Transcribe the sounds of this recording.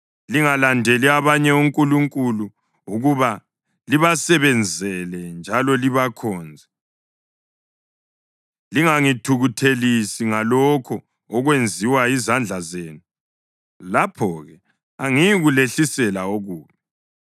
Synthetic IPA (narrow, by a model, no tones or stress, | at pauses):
liŋalandʱɛliaβaɲɛuŋkʼuluŋkʼulu | uɣuβa | liβasɛβɛnd͡zʱɛlɛnd͡ʒʱalɔliβakʰɔːnd͡zʱɛ | liŋaŋitʰuɣutʰelisiŋalɔkʰɔː | ɣwend͡zʱiwaizand͡ɮʱazeːnu | lapʰɔɣɛ | aŋijɣuleɬisɛlaoɣuːkɛ